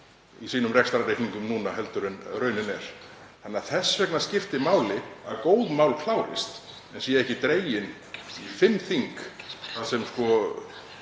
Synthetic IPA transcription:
isiːnʏmrɛkst̪aɾrejhkniŋkʏmnuːnaɦɛlt̪ʏɾʏnrœɥnɪnɛɾ̥θanːaθɛsːvɛknascɪft̪ɪmaːwlɪaðkoːwðmawlkʰlaːwɾɪ̰st̪ | ɛnsjɛɛhcɪt̪ɾeːjɪn | fɪmθiŋkθaðsɛmskɔ

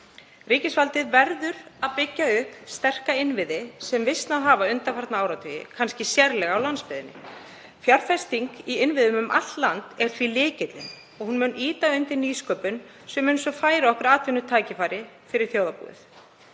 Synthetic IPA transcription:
riːcɪsfalt̪ɪðvɛɾðʏɾaðpɪcːaʏhkst̪ɛr̥kaɪnvɪðɪsɛmvɪst̪naðɦaːvaʏnt̪afaɾt̪naaːwɾawt̪ʰœːjɪ̰kʰanscɪsjɛɾlɛɣawlanspɪðɪnːɪ̰ | fjaɾ̥fɛst̪iŋkiɪnvɪðʏmʏmʔa̰t̪lant̪ɛɾ̥θvilɪːcɪt̪lɪn | ɔɣhunmʏniːt̪aʏnt̪ɪniːskœːpʏn | sɛmɪnsɔfaːjɾaɔhkʏɾaːt̪vɪnːʏt̪ʰaːjcɪfaːjɾɪ | fɪɾɪɾ̥θjowðapṵːðɪ̰θ

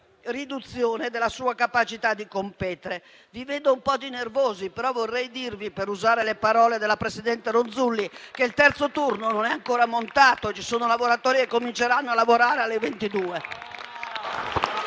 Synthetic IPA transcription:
rid̪ut̪sːjɔːnɛd̪ɛlːasuːakapat͡ʃit̪ad̪ːikompɛːt̪ɛɾe | vivɛnd̪oumpɔːd̪inervoːzipɛɾɔvɔrːɛjd̪iɾvipɛɾuzaːɾelɛpaɾɔːled̪ɛlapɾesid̪ɛnt̪ɛɾonzulːikeilt̪ɛɾt̪sot̪urnononɛaŋkɔːɾamont̪aːt̪ot͡ʃisoːnolavoɾat̪ɔːɾiɛkːomint͡ʃɛɾanːoalavoɾaːɾealːevent̪id̪uːɛ

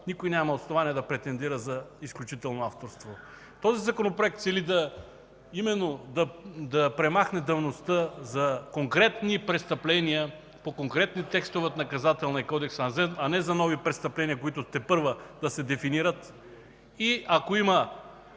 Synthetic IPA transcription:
nikʊjnʲamɐot̪snovaniɛd̪ɐpɾɛt̪ɛnd̪iɾəzɐisklʲut͡ʃit̪ɛlˠnoaft̪oɾst̪vo | t̪ɔzizɐkonopɾoɛk̚t̪sɛlid̪ɐ | imɛnːod̪ɐd̪ɐpɾɛmaxnɛd̪ɐvnost̪əzɐkoŋkɾɛt̪nipɾɛst̪ɐplɛnijə | pokoŋkɾɛt̪nit̪ɛkst̪ovɛt̪nɐkɐzat̪ɛlˠnɐikɔd̪ɛksɐzɛnɐnɛzɐnɔvipɾɛst̪ɐplɛnijəkoit̪ʊt̪ɛpɤɾvəd̪̥ɐsɛd̪ɛfiniɾət̪ | iakoimɐ

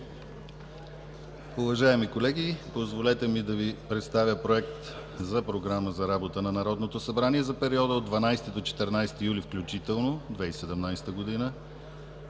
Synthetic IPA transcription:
uvɐʒaɛmikolɛɡʲipozvolɛt̪ɛmid̪ɐvipɾɛt̪st̪avʲjəpɾoɛkt̪ | zɐpɾoɡɾaməzɐɾabot̪ənɐnɐɾɔd̪not̪osɐbɾaniɛzɐpɛɾiɔd̪əod̪ːvɐnajst̪id̪ot͡ʃɛ̥t̪ɛɾnajst̪ijulifklʲut͡ʃit̪ɛlˠnod̪vɛisɛd̪ɛmnajsɛ̥t̪əɡod̪inə

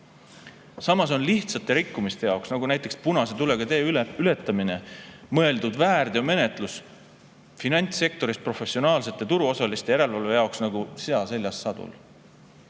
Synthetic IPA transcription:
sɑmɑs̬o̞nliht̪sɑt̪ːˑe̞ɾikːumist̪e̞jɑoksnɑɡunæjt̪ːˑe̞kspunɑse̞t̪ule̞ɡ̥ɑt̪e̞ːyle̞t̪ːˑɑmine̞mɤe̞ld̪̥ud̪væːrd̪̥eome̞ne̞t̪ˑlus | finɑnʲt̪se̞k̚t̪o̞ɾispro̞fe̞sːio̞nɑːlse̞t̪ːˑet̪uɾuo̞sɑlist̪ejæɾe̞lvɑlve̞jɑˑoksnɑɡuseɑse̞lʲːjɑsːɑd̪̥ṵl

